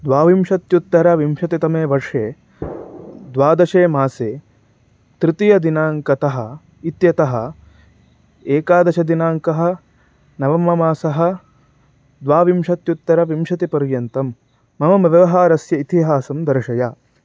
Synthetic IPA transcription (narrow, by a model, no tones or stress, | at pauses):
d̪ʋaːʋimʃɐt̪jut̪ːɐɾɐʋimʃɐt̪it̪ɐmeːʋɐɾʂeː | d̪ʋaːd̪ɐʃeːmaːseː | t̪ɾɪt̪ijɐd̪inaːŋkɐt̪ɐɦɐ̆ | it̪jɐt̪ɐɦɐ̆ | eːkaːd̪ɐt͡ʃʰɐd̪inaːŋkɐɦɐ̆ | nɐʋɐmɐmaːsɐɦɐ̆ | d̪ʋaːʋimʃɐt̪jut̪ːɐɾɐʋimʃɐt̪ipɐɾjɐnt̪ɐmː | ɐmɐmɐʋɐʋɐɦaːɾɐsjɐit̪iɦaːsɐmd̪ɐɾɐʃɐjaː